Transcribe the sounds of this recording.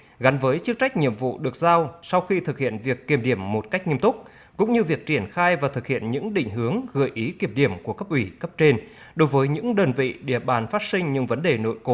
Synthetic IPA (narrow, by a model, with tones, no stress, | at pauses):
ɣa˨˦nvəː˨˦jt͡ɕɨ˦˥k̚t͡ɕa˦˥jk̟̚ɲḭ˧˨əmvṵ˧˨ɗɨ˨˩ək̚zaː˧wsa˧wxi˧t̪ʰɨ˨˩k̚hḭ˧˨ənvi˨˩əkːi˧˩əmɗi˧˩əmːo˨˩t̚kk̟̚ɲi˧əmt̪ʊ˦˥k͡p̚ | kʊ̰˧˥ŋ͡mɲɨ˧vi˨˩ək̚t͡ɕi˧˩ənxaː˧jvaː˨˩t̪ʰɨ˨˩k̚hḭ˧˨ənɲɨ̰˧˥ŋɗḭ̈˧˨ŋ̟ɦɨ˨˦əŋɣɨ˧˩jʔi˨˦ki˧˩əmɗi˧˩əmku˧˩əkə˦˥p̚ʔwi˧˩kə˦˥p̚t͡ɕe˧n | ɗo˨˦jvəː˨˦jɲɨ̰˧˥ŋɗəː˧nvḭ˧˨ɗi˧˩əɓaː˨˩nfaː˦˥t̚sï˧ŋ̟ɲɨ̰˧˥ŋvə˨˦nɗe˨˩no̰˧˨jko˨˦